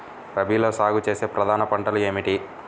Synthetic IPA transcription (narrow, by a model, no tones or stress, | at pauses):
pɾɐbiːlo̞ːsaːɡut͡ʃe̞ːse̞ːpɾɐd̪ʱaːnɐpɐɳʈɐlue̞ːmiʈi